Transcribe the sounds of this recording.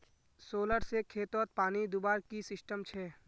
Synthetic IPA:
soːləɾsekʰeːt̪ot̪̚paːnid̪ʊbaːɾkisɪsʈəmt͡ʃʰɛː

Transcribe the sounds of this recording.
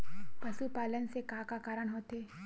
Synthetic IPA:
pɐʃupaːlənsekaːkakaːɾəɳɦoːt̪eː

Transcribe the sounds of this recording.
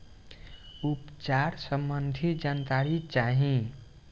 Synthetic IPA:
upt͡ʃaɾsəmbənd̪ʱid͡ʒant̪aɾit͡ʃaɦĩ

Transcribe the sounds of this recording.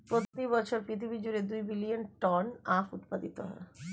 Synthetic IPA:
pɾot̪ibɔt͡ɕʰoɾpɾit̪ʰibid͡ʑuɾed̪ujbilijonʈɔnafut̪̚pad̪it̪oɦɔ̰e

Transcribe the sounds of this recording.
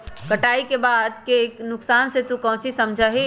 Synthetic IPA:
kəʈaːikebaːd̪keːknʊksaːnset̪ũkə̃ɦʊ̃t͡ʃʰisəmd͡ʒʱaɦi

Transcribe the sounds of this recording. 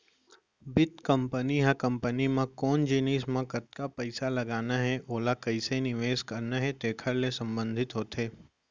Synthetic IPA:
bɪt̪kɐ̃mpəniɦãkɐ̃mpənimãkɔːnd͡ʒɪniːsmãkɐt̪kapɐɪsalɐɡaːnaɦɛʔoːlakɐɪsenɪʋeːskəɾnaɦɛt̪eːkʰəɾlesɐ̃mbə̃nd̪ʱɪt̪ɦoːt̪eː

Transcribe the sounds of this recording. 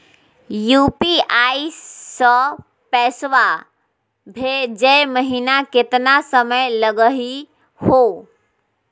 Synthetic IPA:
jupiaisə̃ | pɛsʋa | bʱed͡ʒɛjməɦinaket̪nasəməjləɡəɦi | ho

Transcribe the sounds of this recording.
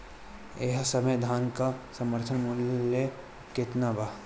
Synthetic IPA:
eɦsəmed̪ʱaːnkasəməɾt̪ʰənmʊljə | kɪt̪naba

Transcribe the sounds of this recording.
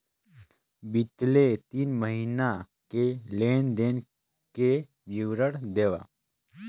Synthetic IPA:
bɪt̪let̪iːnməɦina | keleːnd̪eːn | ke | ʋjɪʋɾəɽd̪eːʋa̰

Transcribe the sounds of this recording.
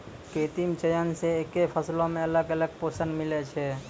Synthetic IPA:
ket̪imt͡ʃəjənseekepʰəslõmẽələɡələɡ̚posənɖmilet͡ʃʰɛ

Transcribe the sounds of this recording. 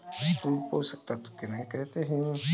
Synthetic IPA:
sk̪uːlpoːsək̚t̪aːt̪ʊ̥kɪmɛ̃ːkɛːt̪eːɦiũː

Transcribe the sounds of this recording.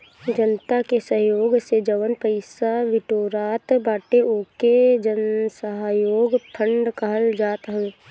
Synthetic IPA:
d͡ʒənt̪akesəɦjoːɡsed͡ʒəʋənpəɪsaʋɪʈoːɾaːt̪baːʈeoːked͡ʒənsəɦaːjoːɡpʰə̃ɳɖkəɦəld͡ʒaːt̪ɦə

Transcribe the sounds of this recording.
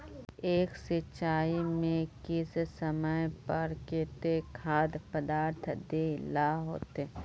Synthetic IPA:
eːksɪt͡ʃaːimẽkɪssəməjpəɾket̪ekʰaːd̪pəd̪aːɾt̪ʰd̪elaɦoːt̪e

